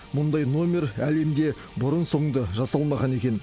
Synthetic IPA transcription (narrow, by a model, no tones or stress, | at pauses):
mʊnd̪ɑjno̞mʲe̞ɾæle̞md̪e̞ | bʊɾənso̞ɴd̪əʒɑsɑlˠmɑʁɑne̞kʲe̞n